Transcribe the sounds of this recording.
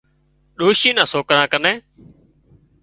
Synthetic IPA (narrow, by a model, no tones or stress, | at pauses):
ɗoːʃiːnãːsoːkɾãːkənẽː